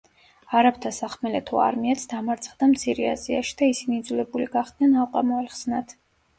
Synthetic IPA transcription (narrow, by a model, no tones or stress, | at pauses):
aɾapʰt̪ʰasaχmɛlɛt̪ʰua̰ɾmiɛt̪sʰd̪amaɾt̪sʰχd̪amt̪sʰiɾia̰zia̰ʃi̥d̪aisinid̪zulɛbuliɡaχd̪nɛnalˠqʼamɔɛlχz̥nat̪ʰ